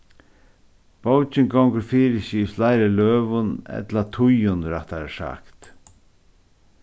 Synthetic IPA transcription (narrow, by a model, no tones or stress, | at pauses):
b̥owt͡ʃɪŋɡɔwŋkəɾfiːɾɪɕislajɾalœːvʊnɛ̰t̪lat̪ʰʊjʊnɾaht̪aɾaʂa̰kt̪